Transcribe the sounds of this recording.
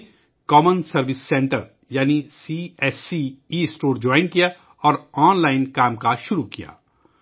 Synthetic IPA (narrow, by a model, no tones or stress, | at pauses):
kɔːmənsɐɾʋɪsːɛ̃ːɳʈəɾ | jaːnisiɛːsiisʈoːɾd͡ʒɔːɪ̃nkija | ɔːɾɔːnlaːɪnkaːmkaʃʊɾukija̰ː